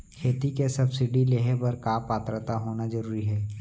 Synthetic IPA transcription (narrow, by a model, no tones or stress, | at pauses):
kʰeːt̪ikesɐbsɪɖileɦebɐɾkaːpaːt̪ɾət̪aɦoːnazɐɾuːɾiɦɛː